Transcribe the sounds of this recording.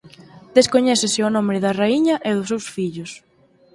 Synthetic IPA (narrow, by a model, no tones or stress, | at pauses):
d̪̥eskoɲɛθɪsɪʊnõmbɾɪðɐraiɲɐʔɪðʊs̬ːewsfiʎʊs